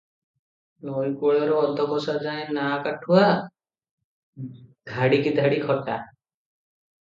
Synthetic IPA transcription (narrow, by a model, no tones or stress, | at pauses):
ɔɾikoɭeɾɔɔd̪ɔkɔsad͡ʒaẽnakaʈʰua | ɡ̪ʱaɽikid̪ʱaɽikʰɔʈa